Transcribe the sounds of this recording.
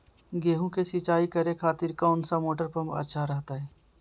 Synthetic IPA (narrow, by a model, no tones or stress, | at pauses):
ɡeːɦũkesit͡ʃaːikəɾekʰaːt̪ɪɾkaʊnsamoːʈəɾpə̃mpɐ̰tːʃʰaɾɐɦt̪aɦɛː